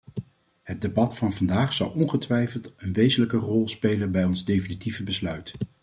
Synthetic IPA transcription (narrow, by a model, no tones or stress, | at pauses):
ɦəd̚debɑtfɑnvɑndaːχsɑ̰wˠɔnχətʋɛjfəlˠtənʋejzənləkərɔlˠspejlənbɛjɔnzdejfinitivəbəslœɥt